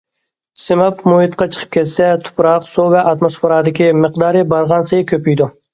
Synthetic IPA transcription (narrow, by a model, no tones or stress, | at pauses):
sɪmɑpmuhɪt̪qɑt͡ʃʰə̥qʰə̥p̚kʲʰɛt̪sɛt̪ʰu̥pɾɑqsuvɛʔɑt̪mospeɾɑd̪ɪkʲʰiməqd̪ɑːɾɨbɑɾʁɑnsejkʲʰøpyjd̪u